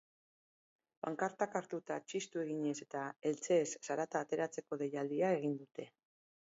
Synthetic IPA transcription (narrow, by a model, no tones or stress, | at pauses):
baŋkaɾt̪akaɾt̪ut̪at͡ʃist̪ue̞ɣ̞iɲe̞se̞t̪ae̞lt͡se̞ːsːaɾat̪aːt̪e̞ɾat͡se̞ko̞ðe̞jald̪iae̞ɣind̪ut̪e̞